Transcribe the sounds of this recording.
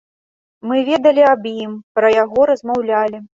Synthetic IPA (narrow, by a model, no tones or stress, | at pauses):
mɨvʲɛd̪ɐlʲiabjimpɾɐjaɣɔɾɐzmawlʲalʲi